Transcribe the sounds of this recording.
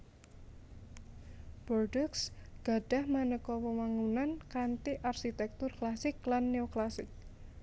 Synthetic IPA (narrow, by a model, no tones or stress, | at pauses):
b̥ɔrɖɔksɡ̥a̤ɖ̥a̤hmanəkɔpəmaŋunankant̪iʔarʃit̪ɛk̚t̪ʊrklasɪklanːeoklasɪk̚